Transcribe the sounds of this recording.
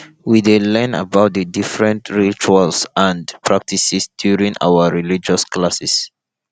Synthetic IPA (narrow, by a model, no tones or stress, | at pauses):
widelɛ̃na̰baʊt̚dədifɹɛ̃ntɹit͡ʃualsãndpʰɹak̚tisisdjuɹĩŋʔa̰wəɹilid͡ʒɔsklasɛs